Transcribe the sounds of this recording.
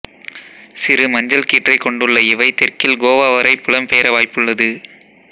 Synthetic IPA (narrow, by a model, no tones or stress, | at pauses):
sɪɾɯmɐɲd͡ʒɐlkiːʈrɐɪkːɔɳɖɯɭːɐɪʋɐɪt̪ɪrkɪlɡoːʋaːʋɐɾɐɪpːɯɭɐmpeːɾɐʋaːjpːɯɭːɐðɯ